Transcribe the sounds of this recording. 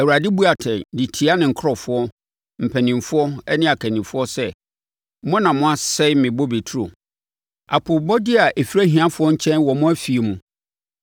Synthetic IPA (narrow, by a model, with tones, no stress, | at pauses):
æ˨wu˨ɾa˨dɪ˦bu˦a˨tʰɛ̃˨di˨tʰi˨a˦nɪ̃˨ŋ̩˨kʰɾɔ˨fʊ˦ɔ˦ | m̩˨pʰæ˨nĩ˨mfʊ˦ɔ˦ɛ˦nɪ̃˦a˨kʰæ˨nĩ˨fʊ˦ɔ˦sɛ˦ | mʊ̃˦nã˨mʊ̃˦a˦sɛ˦ɪ˦mɪ̃˨bo˦be˨tʰu˦ɾo̰˨ | a̰˨pʰʊ˨bɔ˦dɪ˦a˨ʔe˨fi˦ɾæ˦ɦĩ˨ã˦fʊ˨˦ɔ˦ɲ̩˦t͡ɕʰɛ̃˦nwɔ˨mʊ̃˦æ˦fi˨e˨mũ˨